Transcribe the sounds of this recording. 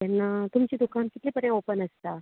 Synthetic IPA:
t̪ɛnːat̪umt͡ɕid̪ukankit̪leːpəɾjãopənəst̪a

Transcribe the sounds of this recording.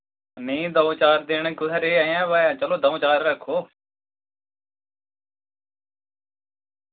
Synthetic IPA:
nĩːd̪ə̃t͡ʃaːɾd̪ɪɳɡʊzəɾeːəjãːʋaːjãːt͡ʃəloːd̪əõːt͡ʃaːɾːəkʰoː

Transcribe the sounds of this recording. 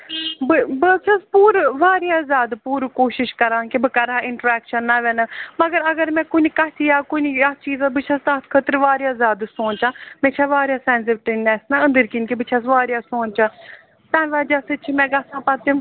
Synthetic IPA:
bɨbɨt͡ʃʰaspuːɾʋaːɾijaːzʲaːd̪puːɾkoːʃɪʃkɐɾãːnkibɨkɐɾaːɪɳʈɾɛːkʃənːaʋɛnəmɐɡəɾɐɡəɾmɛ̃ːkʊnikɐt̪ʰijaːkonijat͡ʃiːzabɨt͡ʃʰast̪aːt̪ʰkʰət̪ɾʋaːɾjaːzʲjaːd̪sõːnt͡ʃãːmɛ̃t͡ʃʰaʋaːɾʲjaːsɛːns̬ɪʋʈinɛːsnaə̃nd̪əɾkinkibɨt͡ʃʰas̬ʋaːɾjaːsoːnt͡ʃãː | t̪ãːnʋaːd͡ʒasɨt͡ʃʰimɛ̃ɡɐsãːpɐt̪ĩ

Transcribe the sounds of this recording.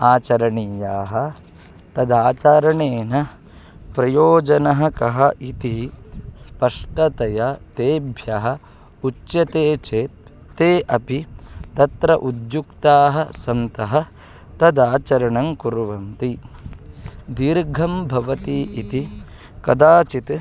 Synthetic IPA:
aːt͡ʃɐɾɐɳijaːɦɐ̆ | t̪ɐd̪aːt͡ʃaːɾɐɳeːnɐ | pɾɐjoːd͡ʒɐnɐɦɐkɐɦɐʔit̪ispɐʂʈɐt̪ɐjɐt̪eːbʱjɐɦɐ̆ | ut͡ʃːjɐt̪eːt͡ʃeːt̪ | t̪eːʔɐpit̪ɐt̪ɾɐʔud̪jukt̪aːɦɐ̆sɐmt̪ɐɦɐ̆ | t̪ɐd̪aːt͡ʃɐɾɐɳɐŋkuɾʋɐmt̪i | d̪iɾɡʱɐmbʱɐʋɐt̪iːʔit̪i | kɐd̪aːt͡ʃit̪

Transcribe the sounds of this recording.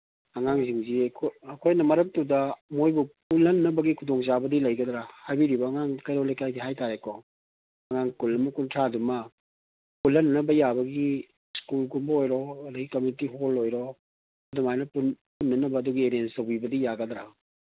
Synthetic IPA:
ɐŋaŋziŋzikʰoɐkʰojnɐmɐɾɐk̚tudɐmojbupulːɐnːɐbɐɡikʰudɔŋzabɐdilɐjɡɐdɾahajbiɾibɐːŋaŋkɐjɾowlajkajdiɦajtaɾekɔ | ɐŋaŋkulɐmukuntʰɾadumɐ | pulːɐnnɐbɐjabɐɡi | skulɡumbɐojɾɔɐdɐɡikomjunitiɦolojɾɔ | ɐdɔmajnɐpunpunːɐnɐbɐːduɡieɾenstowbibɐdijaɡɐdɾa̰

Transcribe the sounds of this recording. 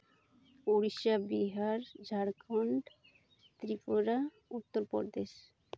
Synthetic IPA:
oɽiʃabiɦaɾd͡ʑʱaɾkʰɔɳɖ | t̪ɾipoɾa | ut̪ːoɾpɔ̰ɾd̪eʃ

